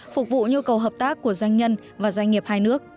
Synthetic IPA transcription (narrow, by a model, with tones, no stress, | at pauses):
fʊ˨˩k̚vṵ˧˨ɲu˧kə˨˩wɦəː˨˩p̚t̪aː˦˥kːu˧˩əzwa˧jŋ̟ɲə˧n | vaː˨˩zwa˧jŋ̟ŋi˨˩əp̚haː˧jnɨ˦˥ək̚